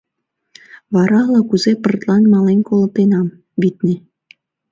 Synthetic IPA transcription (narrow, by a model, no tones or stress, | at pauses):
βɑɾɑlˠɑkuzepɤ̆rt̪lˠɑnmɑlˠenʲkolˠɤ̆t̪ːenɑm | βʲit̪ʲnʲe